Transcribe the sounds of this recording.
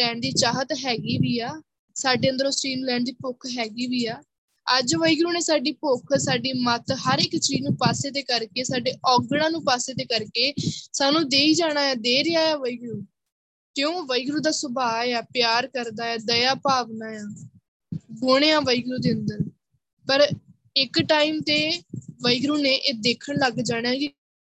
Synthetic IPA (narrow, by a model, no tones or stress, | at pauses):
ɛːɳɖd̪iːt͡ʃaːɦət̪ɦɛːɡiːʋiːaː | saːɖeːənd̪əɾõːsɾiːnlɛːɳɖd̪iːpʊkʰɦɛːɡiːʋiːaː | əd͡ʒʋəiɡɾuːneːsaːɖiːpʊkʰsaːɖiːmət̪ɦəɾɪkt͡ʃɾiːnũːpaːseːd̪eːkəɾkeːsaːɖeːʔɔːɡɽãːnũːpaːseːd̪eːkəɾkeːsaːnũːd̪eːiːd͡ʒaːɽ̃aːjaːd̪eːɾɪjaːjaːʋəiɡɾuː | kɪjõːʋəiɡɾuːd̪aːsʊbaːaːpjaːɾkəɾd̪aːaːd̪əjaːpaːʋnaːjaː | ɡʊɽ̃eːãːʋəiɡɾuːd̪ɪənd̪əɾ | pəɾ | ɪkʈaːiːmt̪eːʋəiɡɾuːneːʔeːd̪eːkʰəɽləɡd͡ʒaːɽ̃jãːki